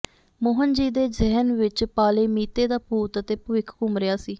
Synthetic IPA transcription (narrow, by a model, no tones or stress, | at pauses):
moːɦənd͡ʒiːd̪eːzɪɦənʋɪt͡ʃpaːleːmiːt̪eːd̪aːpuːt̪ət̪eːpəʋɪkʰkʊmɾɪjaːsiː